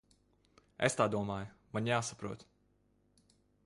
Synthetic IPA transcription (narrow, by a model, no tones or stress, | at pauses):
ɛ̰st̪aːd̪uɔmaːjmaɲjaːsapɾuɔt̪